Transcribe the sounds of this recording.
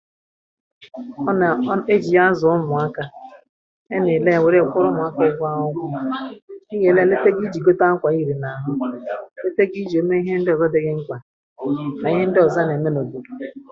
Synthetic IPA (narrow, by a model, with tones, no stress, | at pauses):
ɔ˦na˨˦e˦d͡ʒi˨ja˦zʊ˨ʊ˦mʊ˨a˦ka˦ | e˦ne˨le˦˨we˨ɾe˦˨kʷʊ˦ɾʊ˦mʊ˨˦a˦ke˦˨ɡʷa˦ʊ˦ɡʷʊ˦i˦ɡe˨le˦le˦te˦ɡi˦d͡ʒi˨ɡo˦ta˦ŋ̩˦kʷa˨i˦ɾi˨na˨ɦʊ˦le˦te˦ɡi˦d͡ʒi˨o˦me˦i˦ɦe˦n̩˦dɪ˦ɔ˨ɡo˦de˨ɣɪ˦ŋ̩˦kʷa˨ | na˨i˦ɦe˦n̩˦dɪ˦ɔ˨za˦ne˨me˦no˨bu˨ku˨